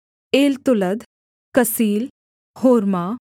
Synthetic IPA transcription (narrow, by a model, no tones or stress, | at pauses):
eːlt̪ʊləd̪ | kəsiːl | hoːɾma